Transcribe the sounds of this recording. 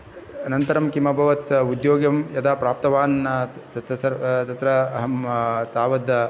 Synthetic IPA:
ɐnɐnt̪ɐɾɐmkimɐbʱɐʋɐt̪ud̪joːɡjɐmjɐd̪aːpɾaːp̚t̪ɐʋaːnt̪ɐt̪ɐsɐɾt̪ɐt̪ɾɐɦɐmt̪aːʋɐd̪

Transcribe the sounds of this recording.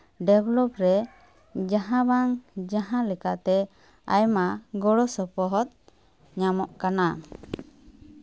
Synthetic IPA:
ɖɛblɔpɾɛ | d͡ʒaɦãbaŋd͡ʒaɦãlɛkaʔt̪ɛ | a̰jmaɡɔɽɔsɔpɔɦɔt̪̚ | ɲamɔʔkana

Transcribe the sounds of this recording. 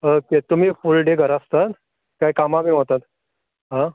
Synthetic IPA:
əket̪um̤iːfulɖeɡʱəɾast̪at̪ | kajkamabiɦot̪at̪ | ɦã

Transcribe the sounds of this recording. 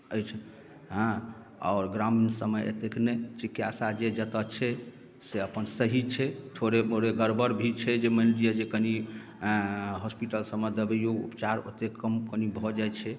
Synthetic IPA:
əjt͡ʃʰɛ | ɦã | ɔ̰ːɾɡɾaminsəməjḛt̪eknɛjt͡ʃikjasad͡ʒed͡ʒət̪ət͡ʃʰɛ | seəpənsəɦit͡ʃʰɛt̪ʰoɾeoɾeɡəɾbʱəɾbʱit͡ʃʰɛd͡ʒemənɾijəd͡ʒekəni | ɦɔspiʈəlsəməd̪əbəjoɡṵpt͡ʃaɾo̰t̪ekːəmkənibʱɔd͡ʒajt͡ʃʰɛ

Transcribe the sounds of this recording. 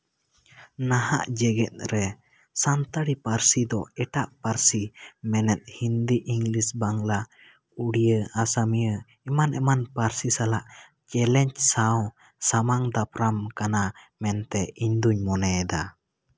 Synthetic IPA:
naɦa̰ʔd͡ʒɛɡɛt̪̚ɾɛ | sant̪aɽipaɾsid̪ɔɛʈaʔpaɾsimɛnɛt̪̚hind̪iʔiŋɡlisbaŋla | uɽijəasamijə | ɛmanʔɛmanpaɾsisalaʔ | t͡ʃɛlɛɲt͡ʃsaw | samaŋd̪apɾamkana | mɛnt̪ɛiɲd̪uɲmɔnɛd̪a

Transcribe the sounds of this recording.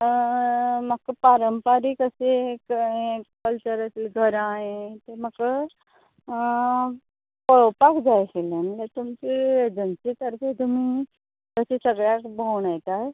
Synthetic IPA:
makːəpaɾəmpaɾikəsekɦẽkəlt͡ɕəɾəsilɡʱəɾaɦẽt̪em̤əkə | kəɭowpakd͡zajkelemlet̪umt͡ɕid͡zənt͡ɕit̪əɾp̪ʰet̪umi | kəsesəɡɭjakbəwɳajt̪at

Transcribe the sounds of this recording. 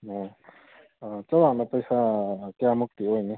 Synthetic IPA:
ɔ | t͡sʌwanapəjsakeamuk̚t̪iojni

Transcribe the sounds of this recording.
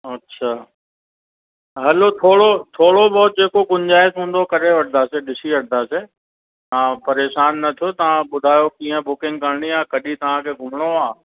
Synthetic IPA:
ɐtːɕʃʰaː | ɦɐlot̪ʰoːɽot̪ʰoːɽobɔːt̪̚d͡ʑeːkokʊɲd͡ʑaːesɦũːn̆d̪okɐɾeʋɐɽd̪aːseɗɪsiʋɐɽd̪aːseː | ãːpɐɾeːʃaːnːɐt̪ʰijot̪ɐʋ̤ãɓʊd̪ʱaːjokĩːə̃bʊkɪ̃ŋɡ̚kəɾɽ̃iãːkɐɗit̪ɐʋ̤ãkʰeːɡʱʊmɽ̃oaː

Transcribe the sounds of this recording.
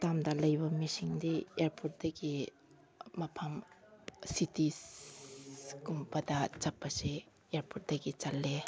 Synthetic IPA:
tamdɐlɐjbɐmisiŋdieɾpʰut̚dɐɡi | mɐpʰɐm | siti | kumpɐdɐt͡ʃɐpːɐse | eɾpʰut̚d̥ɐɡit͡ʃɐlːe

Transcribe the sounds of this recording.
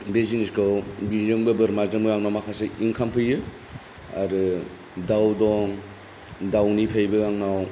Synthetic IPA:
beziniskawbizɯŋbɯbɯɾmazɯŋbɯɡaŋnawmakʰaseiŋkʰampʰɯjɯ | a̰ɾɯ | dawdɔŋ | dawnipʰajbɯɡaŋnaw

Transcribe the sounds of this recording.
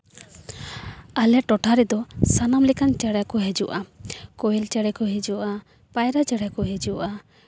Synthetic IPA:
alɛʈɔʈʰaɾɛd̪ɔsanamlɛkant͡ʃaɽjakɔɦed͡ʒṵʔakɔjɛlt͡ʃaɽɛkɔɦed͡ʒuʔa | pajɾat͡ʃaɽakɔɦed͡ʒuʔa

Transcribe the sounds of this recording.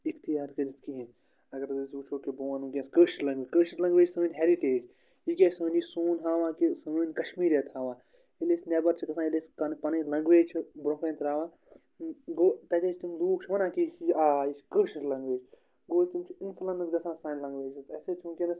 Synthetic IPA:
ikʰt̪ijaːɾkɐɾit̪kiɦin | ɐɡɐɾɐzɨsuːt͡ʃʰoːkiboːwɐnũkʲẽnskəːʃilɐ̃ŋɡʋikəːʃitlɐ̃ŋɡʋeːd͡ʒsəːnʲɦeɾiʈeːd͡ʒ | ikʲesəːnisoːnɦaːʋãːkisɐːnʲkɐʃmiːɾjet̪ʰhaːʋãː | ilesnɛbɐɾt͡ʃʰiɡɐsʰãːileːskɐnpɐnɨlɐ̃ŋɡʋeːt͡ʃʰibɾopeːnt̪ɾaːʋãː | ɡoːt̪ɐt̪ʲɐt͡ʃʰt̪imluːkt͡ʃʰiʋɐnãːkiiaːiʃkəːʃiʈlɐ̃ŋɡʋeːd͡ʒ | ɡoːt͡ʃt̪imt͡ʃʰiinfʰlɐnɐsɡɐsãːsãːnʲlɐ̃ŋɡʋeːt͡ʃʰit̪ɐseːt͡ʃʰunkʲenɐs

